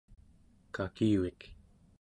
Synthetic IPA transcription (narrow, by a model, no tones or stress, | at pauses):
kakiuik